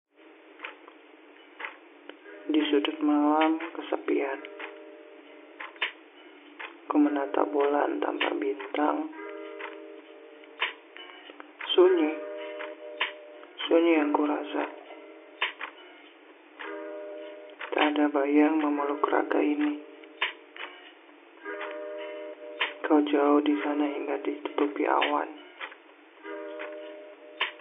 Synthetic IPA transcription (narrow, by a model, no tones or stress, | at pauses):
disudʊt̪̚malamkəsəpian | kəmənat̪a̰bola̰nt̪a̰mpa̰bint̪aŋ | suɲi | suɲijaŋkuɾasa̰ | kaadabajaŋməməlukɾa̰ɡa̰ini | kaud͡ʒaʊhdisanaɦiŋɡadit̪u̥t̪upiʔa̰wa̰n